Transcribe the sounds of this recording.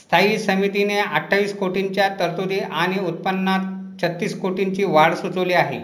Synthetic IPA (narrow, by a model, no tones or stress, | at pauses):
st̪ʰaisəmit̪ineəʈʰːaʋiːskoʈiɲt͡ɕjat̪əɾt̪od̪iaɽ̃iut̪̚pənːat̪ | t͡ɕʰət̪ːiːskoʈiɲt͡ɕiːʋaɽsut͡səʋliːaɦḛ